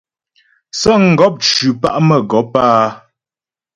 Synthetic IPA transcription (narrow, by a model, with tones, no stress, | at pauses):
sɔ˦˨ŋ̩˨ɡɔ˦p̚t͡ʃʉ˨pa˦ʔmə˨ɡɔ˨˦paː˦